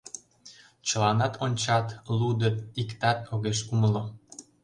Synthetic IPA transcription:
t͡ɕə̆lɑnɑt̪ʰonʲt͡ɕɑt̪lud̪ət̪ikt̪ɑt̪oɣeʃuməlo

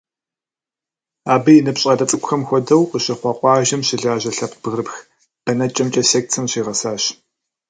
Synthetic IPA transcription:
aːbɨjinɨpɕʼɐdɐt͡sʼɨkʷʼxɐmxʷɔdɐwqəɕɪχʷɑqʷʼɑːʒɐmɕɪɮaːʑɐɬɐpʰb̥ɨɣrɨpx | d̥ɐnɐt͡ʃʼɐmt͡ʃʼɐseːktʰɨmɕiːʁɐsaːɕ

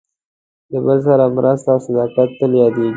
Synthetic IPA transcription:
labəls̬aɾamɾʔazt̪awsad̪ɑkat̪ːəljɑd̪eɡi

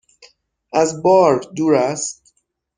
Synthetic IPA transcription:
ʔæzbɒːɾd̪uːɾæst̪

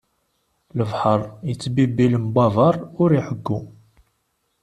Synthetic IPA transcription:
ləvħəɾˤjət͡sːbibiləmbɑvˤɑɾˤʊɾiħəɡːu

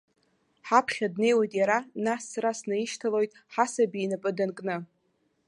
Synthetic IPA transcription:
ħapʰχʲadne̞jwajtʼjaɾanasːɾasnɨiʃtʰalo̞jtʼħasabiːnapʼɨdankʼnɨ

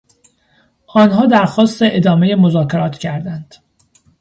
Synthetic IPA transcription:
ʔɒːnɦɒːd̪æɾxɒːst̪e̞ʔed̪ɒːmejemozɒːcʰe̞ɾɒːt̪ʰcʰæɾd̪ænd̪̥

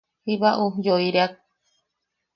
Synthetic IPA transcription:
hiβaʔud͡ʒoiɾeak̚

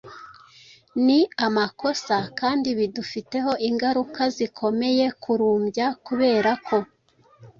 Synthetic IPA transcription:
niamako̞sakaːndiβidufite̞ɦo̞ʔiŋɡaɾukazikʰo̞me̞je̞kʰuɾuːmbjakuβe̞ːɾakʰo̞

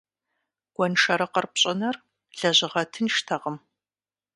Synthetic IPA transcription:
ɡ̥ʷɔnʂɐɾɐqɐrpɕʼɪnɐr | ɮ̥ɐʑɪʁɐtʰɨnʃtʰɐʁəm

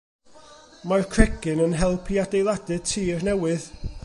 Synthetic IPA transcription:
markʰr̥ɛɡɪnənɦɛlˠpʰiadejlˠadɨ̥tʰiːrnɛwɪð

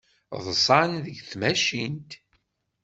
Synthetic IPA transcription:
ðˤsˤɑnðəɡθmæʃint̪

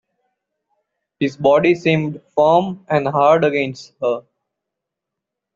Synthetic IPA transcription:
hɪzbɔːɖisĩːmɖfəːmɛ̃ɳɖɦaːɾɖəɡẽːnsʈhəɾ

